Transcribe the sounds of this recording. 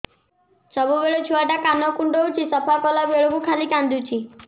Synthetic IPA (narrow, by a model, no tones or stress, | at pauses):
səbubeɭot͡ʃʰuʋaʈakanɔkuɳɖɔut͡ʃʰisəpʰakɔlabeɭukukʰalikand̪ut͡ʃʰi